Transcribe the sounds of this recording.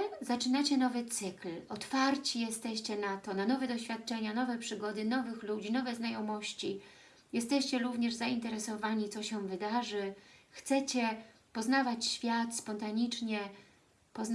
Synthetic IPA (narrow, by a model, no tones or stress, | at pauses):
zat͡ʂɘnat͡ɕɛnɔvɘt̪sɘklɔt̪faɾt͡ɕijɛst̪ɛɕt͡ɕɛnat̪ɔnanɔvɛd̪ɔɕfʲjat̪̚t͡ʂɛɲanɔvɛpʂɘɡɔd̪ɘnɔvɘxlud͡ʑinɔvɛznajɔmɔɕt͡ɕi | jɛst̪ɛɕt͡ɕɛɾuvɲɛʐzaint̪ɛɾɛsɔvaɲit̪sɔɕɛ̃vɘd̪aʐɘxt̪sɛt͡ɕɛ | pɔznavat͡ɕɕfʲjat̪spɔnt̪aɲit͡ʂɲɛ | pɔz